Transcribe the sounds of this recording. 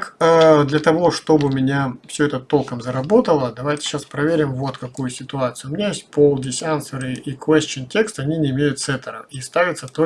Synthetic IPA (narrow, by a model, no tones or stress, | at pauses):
kəd̪lʲɐt̪ɐvo̞ʂt̪o̞bɨmʲɪnʲafsʲɵɛt̪ət̪o̞lˠkəmzəɾɐbo̞t̪əlˠəd̪ɐvajtʲɪ̥ɕaspɾɐvʲeɾʲɪmvo̞t̪kɐkujʊsʲɪt̪ʊat̪sɨjʊmʲɪnʲajesʲt̚ʲpolˠdʲɪsʲansəɾɨikvɛsʲt͡ɕəntʲe̞kst̪ɐnʲinʲɪɪmʲejʊt̪t̪sɛt̪əɾə̰ist̪avʲɪt̪sət̪o